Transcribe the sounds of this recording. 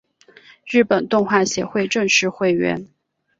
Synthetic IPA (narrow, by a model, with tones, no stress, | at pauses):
ɻɻ̩˥˩pə˨˩nt̪ʊ˥˧ŋxwa˥˩ɕjɛ˧˥xwe˥˧ɪʈ͡ʂɤ˥˧ŋʂɻ̩˥˧xwe˥˩ɪɥɛ̰˧˥n